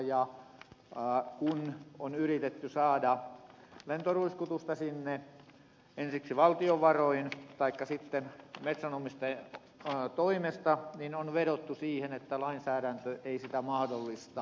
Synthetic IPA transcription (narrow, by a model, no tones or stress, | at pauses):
jɑ | kunonyrit̪et̪ːysɑːdɑ | lent̪oruiskut̪ust̪ɑsinːe | ensiksiʋɑlt̪ioʋɑroint̪ɑikːɑsit̪ːenmet̪sænomist̪e | t̪oimest̪ɑninonʋeɾot̪ːusiːhenet̪ːælɑinsæːɾænt̪øʔeisit̪æmɑhdolːist̪ɑ